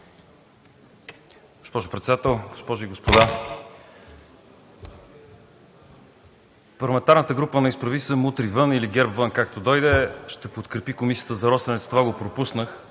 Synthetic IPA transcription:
ɡ̥ospɔʒʊpɾɛt̪sd̪at̪ɛlˠɡospɔʒʊiɡospod̪a | pɐɾlˠɐmɛnt̪aɾnət̪əɡɾupənɐispɾɐvisəmut̪ɾivɤniliɡʲɛɾpvɤnkakt̪od̪ɔjd̪ɛʃt̪ɛpot̪kɾɛpikomisijə̥t̪əzɐɾɔsɐnɛt̪t̪ovaɡopɾopusnəx

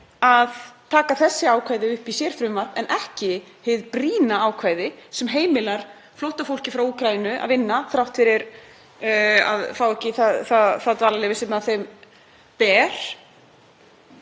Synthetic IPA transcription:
aðt̪ʰaːkaθɛsːɪaːwkʰvaːjðɪʏhpisjɛːɾ̥fɾʏmvar̥t̪ɛnʔɛhcɪheðpɾiːnaaːwkʰvaːjðɪsɛmɦeːjmɪlaɾ̥ | flowht̪afowl̥cɪfɾawuːkɾajinʏʔa̰ðvɪnːaθɾawht̪fɪɾɪɾ | a̰ðfaːwɛhcɪθaðθaθaðt̪aːlalɛjvɪsɛmaðθejm | pɛːɾ̥

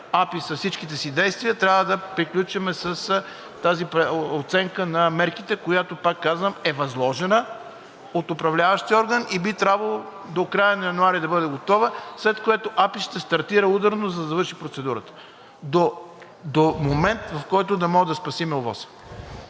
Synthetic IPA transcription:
apisɐfsit͡ʃkit̪ɛsid̪ɛjst̪vijət̪ɾʲavəd̪ɐpɾiklʲut͡ʃɛmɛsəs | t̪azipɛot̪sɛŋkənɐmɛɾkit̪ɛkojat̪opakːazvəmɛvɐzlˠɔʒɛnə | ot̪ʊpɾɐvlʲavəʃt̪iɔɾɡənibit̪ɾʲabvəlˠo | d̪okɾajənɐjɐnuaɾid̪ɐbəd̪ɛɡot̪ɔvəslɛt̪koɛt̪oʔapiʃt̪ɛst̪ɐɾt̪iɾəud̪əɾnozɐd̪ɐvɤɾʃipɾot̪sɛd̪uɾət̪ə̥ | d̪o | d̪omomɛnt̪vɐfkɔjt̪ʊd̪ɐmɔʒɛd̪ɐspɐsimɛovɔ̰sə̥

